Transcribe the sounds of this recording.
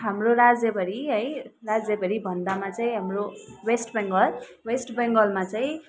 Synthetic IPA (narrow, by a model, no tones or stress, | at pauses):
ɦamroɾad͡zʌbʌɾiɦʌjrad͡zebʌɾibʱʌnd̪amat͡saĩɦamrowesʈbeŋɡʌl | wesʈbʌŋɡʌlmat͡saĩ